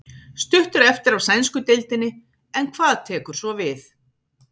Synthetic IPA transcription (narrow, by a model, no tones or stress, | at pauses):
st̪ʏht̪ʏɾɛft̪ɪɾavsɛnskʏt̪ejlt̪ɪnːɪ | ɛnkʰvaːðt̪ʰɛːkʏɾ̥svɔvɪθ